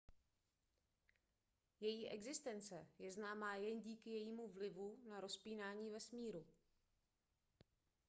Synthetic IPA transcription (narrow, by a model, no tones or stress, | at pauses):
jɛjiːʔɛɡzɪst̪ɛnt͡sɛjɛznaːmaːjɛnɟiːkɪjɛjiːmuvlɪvunaɾo̞spiːnaːɲiːvɛsmiːɾu